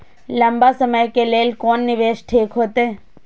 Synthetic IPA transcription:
ləmbasəməjkeleːlkoːnːɪʋeːʃʈʰiːkɦoːt̪eː

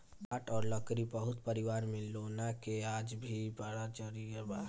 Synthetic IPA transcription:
baʈɔːɾləkɾibəɦʊt̪pəɾiʋaɾmelonakeaːd͡ʒbʱibəɽat͡ʃəɾijəba

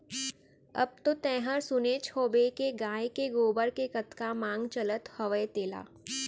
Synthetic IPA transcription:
ɐ̰b̚t̪ot̪ɛ̃ːɦəɾsʊneːt͡ʃhoːbekeɡãːekeɡoːbəɾkekɐt̪kamãːŋɡt͡ʃɐlət̪hɐʋəjt̪eːla̰ː

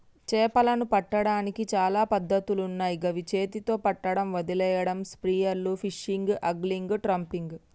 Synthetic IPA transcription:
t͡ʃɛːpɐlɐnupɐʈːɐɽaːnikit͡ʃaːlaːpɐd̪ːɐt̪ulunːaːjiɡɐʋit͡ʃeːt̪it̪o̞ːpɐʈːɐɽɐmʋɐd̪ilɛːjɐɽɐmspɾiːjɐɾlupʰiʂiŋɡʔɐɡliŋɡʈɾɐmpiŋɡ

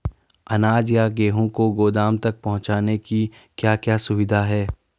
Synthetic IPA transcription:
ɐnaːd͡ʒjaɡeːɦõkoɡoːd̪aːmt̪ɐk̚pɐɦʊ̃t͡ʃaːneki | kjaːkjaːsʊʋɪd̪ʱaɦɛː

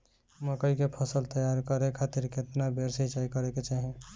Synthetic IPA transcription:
məkəikepʰəsəlt̪əjaɾkəɾekʰat̪iɾket̪nabʱeɾsət͡ʃaikəɾeket͡ʃaɦẽ

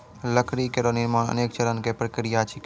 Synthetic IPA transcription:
ləkʰɾikeɾonimãə̰neːkt͡ʃəɾənkepɾəkɾijat͡ʃʰik

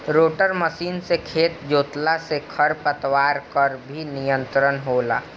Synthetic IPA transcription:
ɾoːʈəɾməsiːnsekʰeːt̪d͡ʒoːt̪lasekʰəɾpət̪waːɾkəɾbʱinijə̃nt̪ɾənɦoːla̰ː

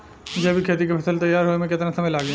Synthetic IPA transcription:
d͡ʒɐbʱikʰeːt̪ikepʰɐsəlt̪ɐjːaːɾɦoemẽkɪt̪nasɐməjlaːɡe

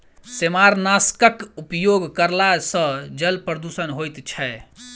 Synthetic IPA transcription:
semaɾnaskəkupjoɡkəɾlasə̃d͡ʒəlpɾəd̪usənɦojt̪t͡ʃʰɛ

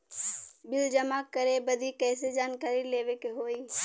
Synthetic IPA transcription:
bɪld͡ʒəmaːkəɾebəd̪ʱikɛːsed͡ʒaːnkaːɾileːʋekeɦoːiː

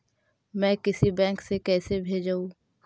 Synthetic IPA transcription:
mɛ̃ːkɪsibɛ̃ːŋksekɛːsebʱeːd͡ʒaːũ

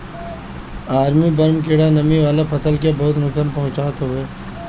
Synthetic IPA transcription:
aːɾmibɐɾmk̬eːɽanɐmiʋaːlapʰɐsəlkebɐɦʊt̪mʊksəmpɐɦʊ̃t͡ʃaːt̪ɦoeː

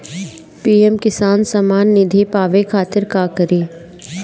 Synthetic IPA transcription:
piːɛmkɪsaːnsamaːnːɪd̪ʱipaːʋekʰaːt̪ɪɾkaːkəɾiː

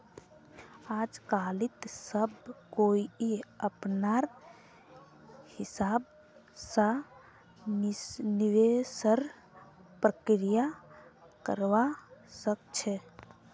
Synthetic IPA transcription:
ad͡ʒkalit̪səbkoiiəpnaɾ | hisab̚ | sa | niʋesəɾ | pɾəkɾija | kəɾʋasəkt͡ʃʰɛ

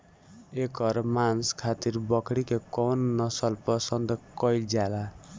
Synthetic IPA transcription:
ekʌɾmanskʰat̪iɾbʌkɽikekɔwnːʌsʌlpʌsʌnd̪kʌjld͡ʒala

